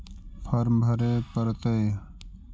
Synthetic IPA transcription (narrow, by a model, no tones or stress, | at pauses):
pʰɐɾmbʱɐɾeːpəɾt̪əe